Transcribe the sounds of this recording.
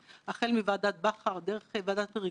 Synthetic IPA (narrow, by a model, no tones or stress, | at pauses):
aχelmivad̪at̪̚baχaʁd̪eʁeχevad̪at̪ʁi